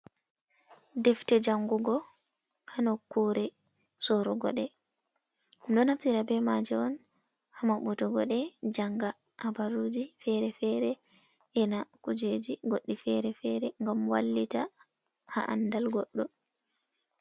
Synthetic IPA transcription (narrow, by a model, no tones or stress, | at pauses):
dɛftɛd͡ʒaŋɡuɡɔ | hanɔkːuːɾɛ | sɔɾɔɡɔ̰ɗɛ | ndɔnaftiɾabɛmad͡ʒɛɔn | hamaɓutɔɡɔɗɛd͡ʒaŋɡa | ʔabaɾud͡ʒifɛɾɛfɛɾɛ | ʔɛnakud͡ʒed͡ʒiɡoɗːifɛɾɛfɛɾɛŋɡamwa̰lːita | ha̰ʔa̰ndalɡɔɗːɔ